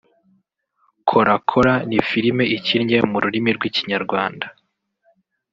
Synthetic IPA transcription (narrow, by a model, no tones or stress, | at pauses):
kʰo̞ɾakʰoɾanifiɾime̞ʔiciɾɲemuɾuɾimiɾɡwiciɲaɾɡwaːnda